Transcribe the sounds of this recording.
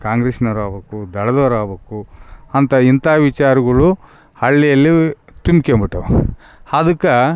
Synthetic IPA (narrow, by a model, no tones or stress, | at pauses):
kaːŋɡɾeʃnɐɾaːbeːkud̪ɐɭɐd̪ɐɾaːbeːkuɐnt̪ɐint̪aːʋit͡ʃaːɾɐɡɐɭu | hɐɭːijɐlːit̪umikembiʈːɐ | had̪ukːɐ